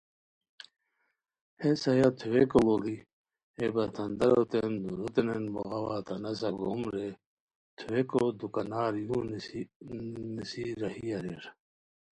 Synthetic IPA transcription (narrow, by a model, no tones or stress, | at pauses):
hesɐjat̪ʰuwekololi | ebɐt̪ʰɐnd̪ɐɾot̪end̪uɾot̪enenboɣɐwat̪ɐnɐs̬ɐɡomɾe | t̪ʰuwekod̪ukɐnaːɾjuː | nisiɾɐhijɐɾḛɾ